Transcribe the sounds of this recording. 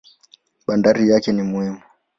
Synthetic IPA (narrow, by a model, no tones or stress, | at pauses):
ɓandaɾijakɛnimuimu